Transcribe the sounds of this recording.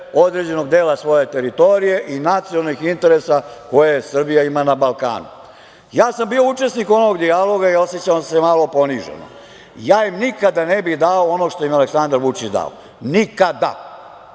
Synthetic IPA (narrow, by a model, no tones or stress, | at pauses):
o̞d̪ɾe̞d͡ʑe̞no̞ɡd̪eːlasʋo̞je̞t̪e̞ɾit̪o̞ɾije̞ʔinat̪siolnixint̪e̞ɾe̞sako̞jesr̩bijaimanabalka̰ːnṵ | jaːsambiout͡ʂe̞sniko̞nooɡd̪ialo̞ɡaio̞set͡ɕasemalo̞po̞niʒḛno̰ | jaːimnikad̪anebixd̪aoono̞ɡʂt̪o̞jimaleksand̪aɾʋut͡ʂit͡ɕd̪a̰o̰ | nikad̪a̰